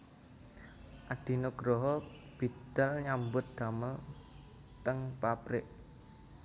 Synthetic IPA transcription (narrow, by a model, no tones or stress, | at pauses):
ʔad̪̥i̤noɡ̥ɾɔɦɔ | b̥i̤d̪̥alɲambʊt̪̚d̪̥aməl | t̪əŋpapɾɪʔ